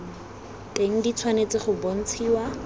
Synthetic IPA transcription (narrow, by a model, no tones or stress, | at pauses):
tʼeŋ̩dit͡sʰwanet͡sɪχʊbon̩t͡sʰiːwa